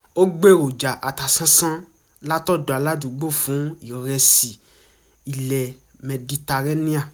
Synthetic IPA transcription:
o˦ɡ͡be˦˨ɾo˨d͡ʒa˨ʔa˨ta˨sã˦sã˦ | la˦tɔ˦˨do˨a˨la˦dũ˨˦ɡ͡bo˦˨fũ˨˦i˨ɾɛ˧si˨ | i˨lɛ˨mɛ̃˨di˧ta˧ɾɛ˦nĩ˦a˦˨

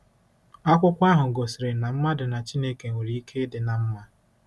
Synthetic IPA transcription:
a˦kʷʊ˦kʷa˦ɦʊ˨ɡo˨sɪ˨ɾɪ˨na˨m̩˦ma˦dʊ˨na˨t͡ʃi˦ne˦ke˨ŋe˨ɾi˦i˦kʰe˦dɪ˨na˨m̩˦ma˦

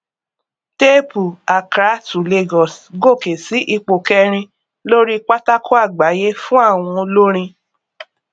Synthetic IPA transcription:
te˦pu˨a˨kɾa˨˦tu˨le˧ɡɔ˨sɡo˦˨ke˨si˨˦ʔi˧k͡po˨kɛ˦˧ɾ̃ĩ˧ | lo˦ɾi˦k͡pa˦ta˦kʰo˦a˦˨ɡ͡ba˨˦je˦fũ˦a˦˨w̃ɔ̃˧lo˦ɾ̃ĩ˧

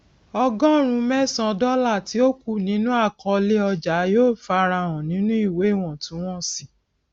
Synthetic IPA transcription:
ɔ˧ɡɔ̃˦˨ɾ̃ũ˧mɛ˦˨sã˧dɔ˦la˦˨ti˨˦o˦ku˦˨nĩ˨˦nũ˦a˦˨kɔ̃˧le˦ɔ˧d͡ʒa˨˦joː˦˨fa˧ɾa˧w̃ɔ̃˨nĩ˨˦nũ˦i˦˨we˨˦˨w̃ɔ̃˨tũ˨˦w̃ɔ̃˦si˨

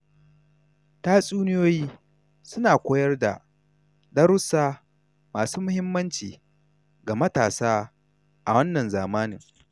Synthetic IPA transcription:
taː˦sʼuː˦nɪ˦joː˦jiː˦ | sʊ˦naː˨kʷoː˦jɐ˦rda̰˨ | dɐ˦ɾʊ˦saː˦ | maː˨suː˦mʊ˦hɪ˦mːɐ˦nt͡ʃiː˨ | ɡa˨mɐ˦taː˨saː˦ | ʔa˨wɐ˦nːɐ˨nzaː˨maː˦nɪ˨ŋ

